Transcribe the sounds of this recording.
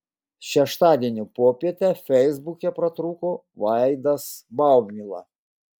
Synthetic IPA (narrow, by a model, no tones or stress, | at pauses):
ʃʲɛʃt̪ɑːd̪ʲiɛnʲupoːpʲiɛt̪ʲɛfʲɛɪzbukʲɛpɾɐt̪ɾuːkoː | ʋɑˑɪd̪ɐsbɑˑʊbʲmʲilˠɑ̰